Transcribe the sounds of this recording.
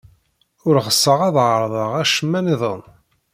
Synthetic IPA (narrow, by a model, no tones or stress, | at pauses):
ʊɾʁəsːəʁɑðʕəɾˤðˤəʁæʃəmːæniðˤən